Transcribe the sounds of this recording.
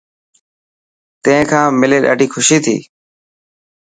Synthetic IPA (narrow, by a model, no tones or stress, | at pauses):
t̪ẽɦɪ̃kʰãːmɪleːɗa̰ːɖʱiːxʰʊʃiːt̪ʰḭː